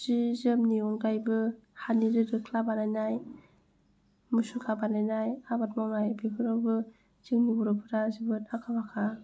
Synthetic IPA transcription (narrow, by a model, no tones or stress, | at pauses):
zizɯmniɔnkajbɯhaniɾɯɾɯkʰlabanajnaj | musukʰabanajnajabat̚mawnajbekʰɯɾawbɯ | z̥iŋnibɔɾɔpʰɯɾazibɯtakʰabakʰa